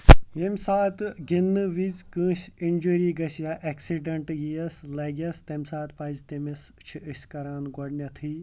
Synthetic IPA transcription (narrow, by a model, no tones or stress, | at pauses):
jemʲsaːt̪ɡinːɨʋizkɨ̃ːsʲinʲd͡ʒuːɾiːɡɐsjaʔeksiɖɐɳʈjijɐslɐːɡʲɐst̪emsaːt̪pɐzʲt̪emist͡ʃʰiɨsʲkɐɾaːnɡɔɖnʲɐt̪ʰiː